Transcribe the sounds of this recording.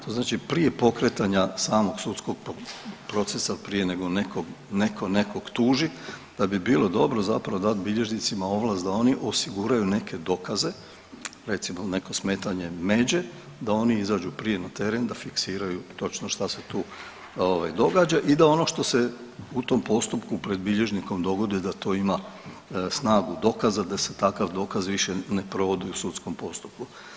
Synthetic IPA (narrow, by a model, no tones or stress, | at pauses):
t̪ʰoznaːt͡ʃipɾije̞po̞kɾet̪aɲasaːmo̞ɡsut̪skoɡ̚ppɾo̞t̪sesapɾije̞ne̞ɡo̞nekoɡnekʰo̞ne̞ko̞ɡ̥t̪uːʒid̪̥abibilˠo̞d̪o̞bɾo̞zapɾaʋo̞d̪at̪̚biʎe̞ʒnit̪simao̞ʋlˠast̪d̪ao̞niʔo̞siɡuɾajune̞kʰe̞d̪o̞kaze̞ | ɾe̞t̪simone̞ko̞sme̞ːt̪aɲe̞me̞d͡ʑe̞ | d̪ao̞niizaːd͡ʒupɾije̞nat̪e̞ɾe̞nd̪afiksiːɾajut̪o̞t͡ʃno̞ʃt̪aset̪uː | oʋajd̪o̞ɡaːd͡ʒaʔid̪ao̞no̞ʃt̪o̞se̞ut̪o̞mpo̞st̪upkupɾe̞d̪̚biʎe̞ʒniko̞md̪o̞ɡo̞d̪ijd̪at̪o̞ːima | snaːɡud̪o̞kazad̪ase̞̥t̪akaʋd̪o̞kazʋiʃene̞pɾo̞ʋo̞d̪iusut̪sko̞mpo̞st̪u̥p̚ku